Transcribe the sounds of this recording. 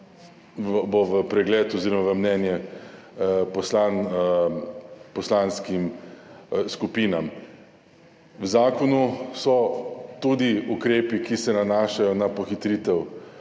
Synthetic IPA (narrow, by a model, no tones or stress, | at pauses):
ʋboʋəpɾɛɡlɛːt̪ɔziːɾɔmaʋəmnɛːnjɛ | pɔslan | pɔslaːnskim | skupiːnam | wzaːkɔnusɔt̪ud̪iukɾeːpikisɛnanaːʃajɔnapɔxit̪ɾiːt̪ɛw